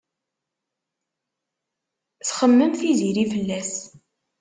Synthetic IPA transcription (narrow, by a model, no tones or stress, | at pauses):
θχəmːəmθiziɾifəlːæs